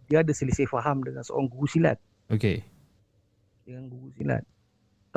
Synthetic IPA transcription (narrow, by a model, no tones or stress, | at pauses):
diaːdasəlisəfaɦamdəŋansəo̰ɾaŋɡuɡusila̰t̪̚ | oke | dəŋanɡuɡusila̰t̪̚ː